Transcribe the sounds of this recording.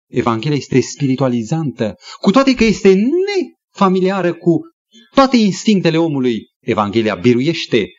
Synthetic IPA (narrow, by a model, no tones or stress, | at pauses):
e̞vaŋɡʲe̞lijaje̞st̪e̞spiɾit̪ualizant̪əkut̪oat̪ejkəje̞st̪e̞ne̞ | familiaɾəku | t̪oat̪e̞inst̪iŋk̚t̪e̞le̞o̞muluj | e̞vaŋɡʲe̞lia̰biɾuje̞ʃt̪e̞